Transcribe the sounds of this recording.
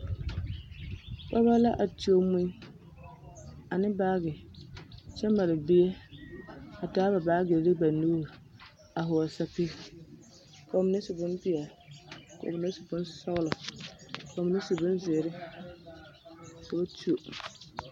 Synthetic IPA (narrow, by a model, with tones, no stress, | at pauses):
k͡pa˦ba˦la˦ʔa˨tu˦o˦mu˦i˦ | a˨nɪ˦baː˦ɡɪ˨ | t͡ʃɛ˦ma˨lɪ˨bɪ˦ɛ˦ | a˨taː˦ba˨baː˦ɡe˨ɾɪ˦ba˨nu˦ɾ | a˨ɦʊ˨ɔ˨sa˦pɪ˦ | ko˨mɪ˨ne˦sʊ˨bʊ˦npi˦a˨ko̰˨m˨ne˦su̥˨bʊ˦nsɔ˦ɣlɔ˨ | ko˨m˨ne˦sʊ˨bʊ˦nze˨ɾɪ˦ | sa˨ba˦tu˦o˨